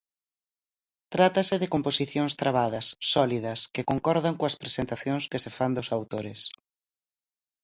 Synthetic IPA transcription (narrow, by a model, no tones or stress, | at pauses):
t̪ɾat̪ɐsɪðɪkomposiθjoŋst̪ɾaβ̞aðɐsːɔliðɐskɪkoŋkɔɾð̞ɐŋkõɐspɾesent̪aθjõŋskɪsɪfand̪ʊsawt̪oɾɪs